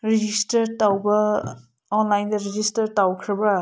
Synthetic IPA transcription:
ɾid͡ʒistɐɾtawbɐ | ɔnlajndɐɾed͡ʒistɐɾtawkʰɾɐbɐ

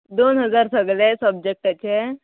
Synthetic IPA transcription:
d̪onɦəd͡zaɾsəɡlesəbd͡ʑek̚ʈət͡ɕe

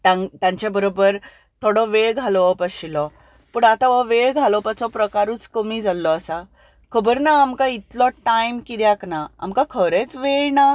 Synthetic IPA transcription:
t̪ãŋt̪jãɲt͡ɕjabəɾobəɾ | t̪ʰoɽɔʋeɭɡʱalʋɔpəɕilɔ | puːɳat̪aʋɔʋeɭɡʱalɔpat͡sɔpɾəkaɾuːt͡skəmiːd͡zalːɔːsa | kʰəbəɾnaːmkait̪lɔʈajmkid̪jaknaa̰mkakʰəɾet͡sʋeɭna

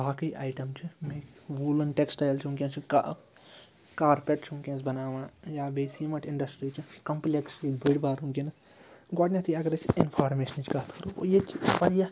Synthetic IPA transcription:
baːkiːʔa̰ːjʈɐmt͡ʃʰimeʋuːlɐnʈeksʈaːjlt͡ʃʰũŋkʲẽnt͡ʃʰika | kaːɾpʲeʈt͡ʃʰũŋkʲẽnsbɐnaːʋãːjaːbeːsiːmɐʈɪɳɖɐsʈɾiːt͡ʃʰikɐmpleksiːbʱiɽbaːɾũːkʲinɐs | ɡoʈnʲɐt̪ʰiɐɡɐɾɐt͡ʃɪnpʰaːɾmeːʃɐnt͡ʃʰkaːt̪ʰkɐɾuo̰jet͡ʃʰipɐɾja

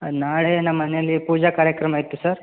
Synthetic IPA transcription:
naɽeɐnːamənelipud͡ʑakaɾjəkɾəmajet̪usəɾ

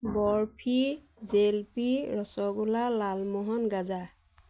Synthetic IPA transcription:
bɔɹpʰi | zelpiɹɔsɔɡulalalmɔɦɔnɡaza

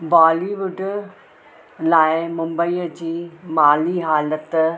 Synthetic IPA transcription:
baːliʋʊɖ | laːɪmʊ̃mbəiːəd͡ʑiːmaːliɦaːlət̪

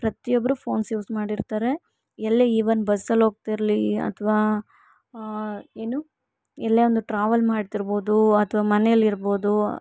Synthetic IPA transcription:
pɾɐt̪ijobːɐɾupʰo̞ːnsjuːsmaːɽiɾt̪aːɾe̞ | ɛlːeiːʋɐnbɐsɐlɦo̞ːɡ̚t̪iɾliɐ̰t̪ʰɐʋaː | eːnu | ɛlːeːond̪uʈɾaːʋɐlmaːɽt̪iɾbo̞ːd̪uɐt̪ʰɐʋaːmɐnɛjɐlːiɾbo̞ːd̪u

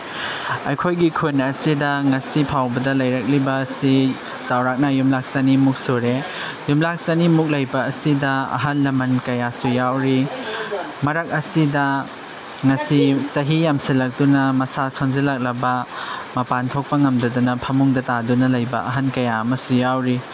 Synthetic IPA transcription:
ɐjkʰojɡikʰunɐsidɐŋɐsipʰawbɐdɐlɐjɾɐk̚libɐsi | t͡ʃawɾak̚nɐjumlak̚sanimuk̚soɾe | jumlak̚sanimuk̚lɐjbɐːsidɐɐ̰ɦɐnlɐmɐnkɐjasujawɾi | mɐɾɐk̚ɐsidɐ | ŋɐsit͡ʃɐɦijamsilɐk̚dunɐmɐsasonzelak̚lɐbɐmɐpantʰok̚pɐŋɐmdɐdunɐpʰɐmuŋdɐtadunɐlɐjbɐ̰ɐɦɐnkɐjaɐmɐsujawɾi

